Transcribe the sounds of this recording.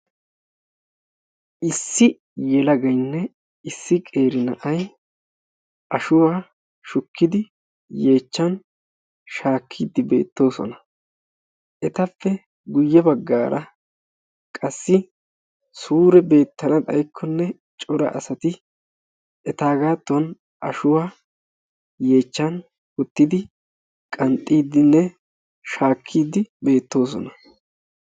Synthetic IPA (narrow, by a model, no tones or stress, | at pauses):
ʔɪsːɪ | jɛlɐɡɐjnːɛ | ɪsːɪkʼe̞ːɾɪnɐʔɐj | ʔɐʃʊwaː | ʃʊkːɪd̪ɪ | je̞ːt͡ʃːɐn | ʃaːkʰːiːd̪ːɪbe̞̰ːt̪ːo̞ːsɔ̰nɐ | ʔɛt̪ɐfːɛ | ɡʊjːɛbɐɡːaːɾɐ | kʼɐsːɪ | suːɾɛbe̞ːt̪ːɐnɐt̪ʼɐ̰jkʰːɔnːɛ | t͡ʃʼɔɾɐ̰ʔɐ̰sɐt̪ɪ | ɛt̪aːɡaːt̪ːʊwɐn | ʔɐʃʊwaː | je̞ːt͡ʃːɐn | ɔt̪ːɪd̪ɪ | kʼɐnt̪ʼːiːd̪ːɪnːɛ | ʃaːkʰːiːd̪ːɪbe̞ːt̪ːo̞ːs̬ɔ̰nɐ